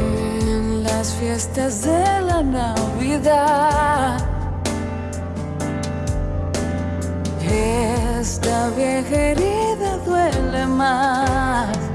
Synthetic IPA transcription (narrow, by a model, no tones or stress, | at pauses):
nlasfje̞st̪azðelanaβiða | ð | est̪aβjexeɾiðaðwelema | s